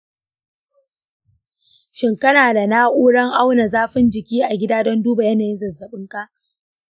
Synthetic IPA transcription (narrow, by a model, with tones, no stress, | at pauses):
ʃɪ˨ŋkɐ˦naː˨da˨naː˦ʔuː˦ɽɐ˦ŋʔa˦wna˨zaː˦ɸɪ˦nd͡ʒɪ˨kʲiː˦ʔa˨ɡʲɪ˦daː˦dɔ˦nduː˦ba˨jɐ˦naː˨jɪ˦zɐ˨zːɐ˨ɓɪ˦ŋka˦ʔ